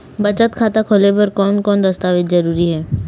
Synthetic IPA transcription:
bɐt͡ʃət̪kʰaːt̪akʰoːlepɐɾkɔːnkɔːnd̪ɐst̪aːʋɪt̪zɐɾuːɾiɦɛː

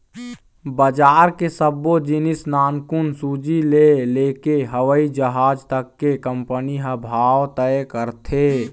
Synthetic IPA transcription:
bəd͡ʒaːɾkesəbːod͡ʒinɪsnaːnkunsud͡ʒileleːkeɦəʋəid͡ʒəɦaːd͡ʒt̪əkːekəmpəniɦəbʱaːwt̪əkəɾt̪ʰe

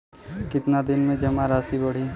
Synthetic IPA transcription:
kɪt̪nad̪ɪnmẽd͡ʒɐmaɾaːsibɐɽ̤i

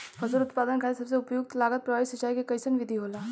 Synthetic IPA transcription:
fʰəsəɾut̪pad̪ənkʰaisəbseupjuk̚t̪laɡət̪̚pɾəʋaisit͡ɕajkikəjsənʋid̪ʱiːɦola

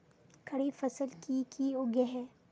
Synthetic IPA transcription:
kʰɐɽifɐsəlkikʰioɡeɦɛː

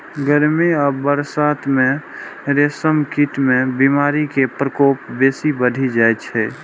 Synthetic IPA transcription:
ɡəɾmiəbəɾsaːt̪ʰmẽɾeːsəmkiʈmẽbimaːɾikepɾəkoːpbeːsibəd̪ʱid͡ʒajt͡ʃʰɛ

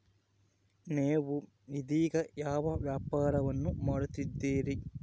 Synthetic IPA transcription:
neːʋu | nid̪iːɡɐjaːʋɐʋjaːpaːɾɐʋɐnːumɐɽut̪id̪ːiːɾi

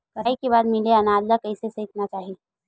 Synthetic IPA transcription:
bɐikeβaːd̪mɪleɐnaːd̪lakɐɪsesɐɪt̪nat͡ʃaːɦie

